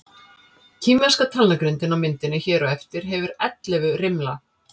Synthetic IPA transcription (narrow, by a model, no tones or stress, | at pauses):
cʰiːmɛskat̪ʰalnakɾʏnt̪ɪnawmɪnt̪ɪnːɪçɛːɾɔɛft̪ɪɾ̥ɦɛvʏɾɛt̪lɛvʏrɪmla